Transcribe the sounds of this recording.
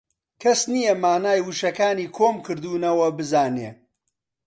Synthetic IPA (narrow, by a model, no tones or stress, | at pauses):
kʰɐsnijɐmaːnaːjwɨʃɐkaːniːkʰoːmkɨɾd̪uːnɐwɐbɨzaːneː